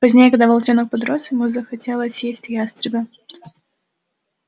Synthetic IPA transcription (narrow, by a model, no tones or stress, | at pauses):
pɐzʲnʲejəkɐɡ̚d̪avɐlˠt͡ʃenək̚pɐd̪ɾost̪ʲɪmuzəxɐtʲelˠəsʲjesʲtʲjast̪ɾʲɪbʲə